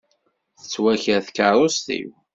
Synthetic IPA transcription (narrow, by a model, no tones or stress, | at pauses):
θə̥t͡sːwæçəɾθkəɾˤost̪ḭw